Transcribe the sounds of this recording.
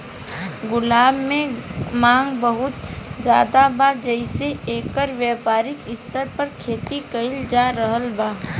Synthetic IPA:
ɡʊlaːbmẽmãːŋɡbəɦʊt̪d͡ʒjaːd̪abaːd͡ʒɛɪseeːkəɾʋjɛːpaːɾɪkɪst̪əɾpɐɾkʰeːt̪ikəɪld͡ʒaːɾəɦəlbaː

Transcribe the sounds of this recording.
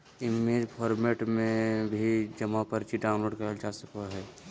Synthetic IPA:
ɪmed͡ʒpʰɔːɾmeʈmẽbʱid͡ʒəmapəɾt͡ʃiɖaːʊ̃noːɖkəəld͡ʒasəkəɦɛː

